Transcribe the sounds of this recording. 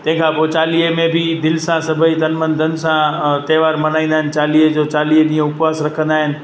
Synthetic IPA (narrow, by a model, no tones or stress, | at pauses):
t̪ɐ̃ɦɪ̃kʰãpot͡ʃaːliemẽbʱid̪ɪlsãsɐbʱəid̪ɐnmənd̪ʱənsãt̪eːʋaːɾmɐnaːĩnd̪aɦɪnɪ̆t͡ʃaːlied͡ʑot͡ɕaːlieɗĩːẽʊpʋaːsɾɐkʰə̃nd̪aːɦɪnɪ̆